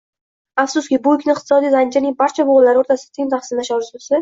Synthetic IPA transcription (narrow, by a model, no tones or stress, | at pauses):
afsʊskʲɪbʊɪkʲnɪɪqt̪ʰɨ̥sɒd̪ijɾand͡ʒɪɾnɪŋbaɾt͡ʃʰaboʁlːaɾɪoɾt̪ʰasɪ̥at̪ʰɪŋʲt̪ʰaχsɪnaʃaɾɪzʊsɪ